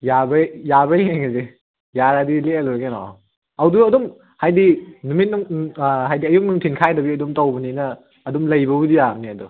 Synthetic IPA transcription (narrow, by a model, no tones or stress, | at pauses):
jabɐjabɐɦeŋeze | jaɾadileɐluɾɐkenɔ̰ | ɐwduɐdɔm | hajdinumit̚nuŋɦajdiɐjuk̚nuŋtʰinkʰajdɐbiɐdumtɐwbɐninɐː | dumlɐjbɐudijamniɐdɔ